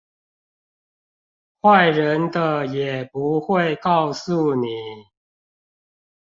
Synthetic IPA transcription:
xwa˥˨ɪɻə˨˦nd̪ə˨jɛ˨˩pu˨˦xwe˥˨ɪkɑ˥˨ʊsu˥˨ni˨˩˦

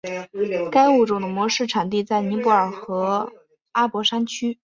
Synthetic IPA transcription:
ka˥ɪu˥˩ʈ͡ʂʊ˨˩ŋd̪ə˩mwɔ˧˥ʂɻ̩˥˩ʈ͡ʂʰa˨˩nt̪̬i˥˧t͡sa˥˩ɪni˧˥pu˥˩ə˞˨˩xɤ˧˥ | a˥pwɔ˧˥ʂa˥nt͡ɕʰy˥

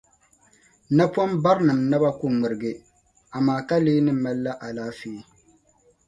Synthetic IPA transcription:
na˦pwɔ˦mba˦ɾnɨ˨mna˦ba˦ku˦ŋ͡mɨ˨ɾɨ˨ɡɨ˦ | a˨maː˨ka˦leː˦nɨ˦ma˦lːa˦ʔa˨laː˦feː˦

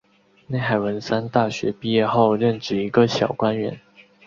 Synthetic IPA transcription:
ne˥˩ɪxa˨˩ɪwə˧˦nsa˥nt̪a˥˩ɕɥɛ˨˧˥pi˥˧jɛ˥˧xo˥˧ʊɻə˥˧nʈ͡ʂɻ̩˥˩i˧˥ɡə˧ɕjɑ˨˩ʊkwa˦˥nɥɛ˧˥n

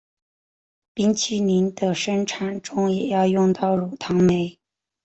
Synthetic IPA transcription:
pi˥ŋt͡ɕʰi˥ni˧˥nd̪ə˧ʂə˥ŋʈ͡ʂʰa˧˥nʈ͡ʂʊ˥ŋjɛ˨˩jɑ˥˧ʊjʊ˥˧ŋt̪ɑ˥˩ʊɻu˨˩t̪ʰɑ˧˥ŋme˧˥ɪ

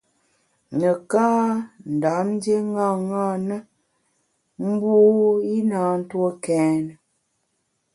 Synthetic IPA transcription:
nə˨kaː˦n̩˨da˨˦mn˦dje˦ŋa˦˨ŋa˦˨nə˦ | m̩˦bu˦i˦na˨˦n̩˦two˦kɛː˨˦nə˨

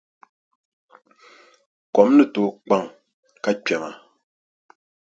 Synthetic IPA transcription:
kɔ˨˦mnɨ˨to˨k͡pa˦˨ŋ | ka˦t͡ʃɥɛ˨ŋa˨

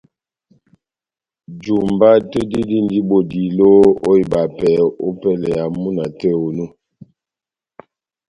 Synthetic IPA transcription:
d͡ʒu˨mba˦te˦di˦di˦n˨di˦bo˨di˨lo˦o˦i˨ba˨pɛ˨˦o̰˦pɛ˦lɛ˨a˨mu˦na˨tɛ˦˨o˨nu˦

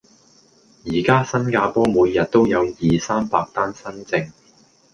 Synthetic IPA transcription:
jiː˨˩kaː˥sɐ˥nkaː˧pɔː˥muː˨˧jːɐ˨t̚t̪o˥wjɐ˨˧wjiː˨saː˥mpaː˧k̚t̪aː˥nsɐ˥nt͡sɪ˧ŋ

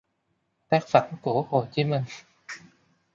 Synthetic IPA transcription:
t̪a˦˥k̚fa˨˩˦nku˧˩əho˨˩t͡ɕi˨˦mï˨˩ŋ̟

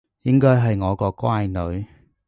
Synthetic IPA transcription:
jɪ˥ŋkɔː˥jɦɐ˨jŋɔː˨˧kɔː˧kʷwaː˥jnɵ˨˧ɥ

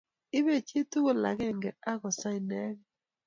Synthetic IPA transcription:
ɪ˦βe˦˨t͡ʃe˦tu˦ɣo˦la̰˨ɣɛ˦˨ŋɡɛ˨a˦ɣɔ˨sa˦i˨nɛ˦ɣ

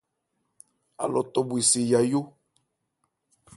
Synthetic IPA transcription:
a̰˨lɔ˨t̪ɔ˨bwi˨si˨ja˨jo˦

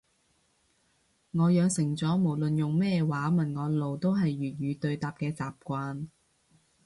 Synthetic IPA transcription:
ŋɔː˨˧jœː˨˧ŋsɪ˨˩ŋt͡sɔː˨˥mo˨˩wlɵ˨njʊ˨ŋmɛː˥waː˨˥mɐ˨˩nŋɔː˨˧lo˨wt̪o˥wɦɐ˨jɥyː˨˩t̚jyː˨˧t̪ɵ˧ɥt̪aː˨p̚kɛː˧t͡saː˨p̚kʷaː˧n

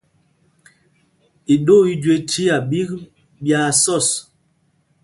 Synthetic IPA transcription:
i˨ɗo˦˨i˦d͡ʒe˨tʰi˦a˨ɓi˦k | bja˨sɔ˦˨s

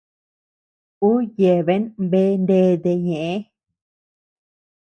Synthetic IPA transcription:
u˦je˨βe˦nbe˦nde˧˦d̪e˧ɲẽ˨ʔe˦

